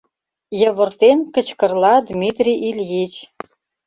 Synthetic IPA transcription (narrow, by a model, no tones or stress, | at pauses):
jɤ̆βɤ̆rt̪enkə̆t͡ɕkɤ̆rlˠɑd̪mʲit̪rʲiʔilʲjit͡ɕ